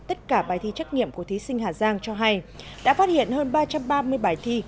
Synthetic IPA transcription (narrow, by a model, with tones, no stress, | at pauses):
t̪ə˦˥t̚kaː˧˩ɓaː˧˩jt̪ʰi˧t͡ɕa˦˥k̚ŋḭ˧˨əmku˧˩ət̪i˨˦sï˧ŋ̟ɦaː˨˩zaː˧ŋt͡ɕɔ˧ɦa˧j | ɗa̰ː˧˥faː˦˥t̚hḭ˧˨ənhəː˧nɓaː˧t͡ɕa˧mɓaː˧mɨ˧əjɓaː˧˩jt̪ʰi˧